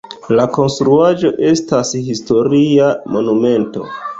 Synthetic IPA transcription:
lako̞nstɾuad͡ʒo̞ʔe̞stashisto̞ɾiamo̞nume̞nto̞̰

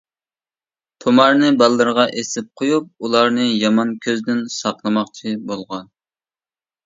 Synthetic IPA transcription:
t̪ʰomɑɾnɨbɑlˠːɨɾʁɑʔesɪp̚qʰojup̚ulˠɑɾnɨjɑmɑnkʲʰøzd̪ɪnsɑqlˠɨmɑqt͡ʃʰibolˠʁɑn

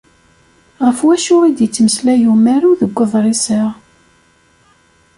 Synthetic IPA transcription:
ʁəfwæʃʊʁid̪jət͡sːməslæjumæɾuðəɡʷːəðˤɾˤisəʁ

